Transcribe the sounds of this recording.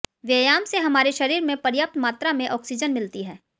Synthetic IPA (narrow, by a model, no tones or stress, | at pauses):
ʋeːjaːmseɦɐmaːɾeʃɐɾiːɾmẽpɐɾjəp̚t̪maːt̪ɾamẽʔɔːksid͡ʒənmɪlt̪iɦɛː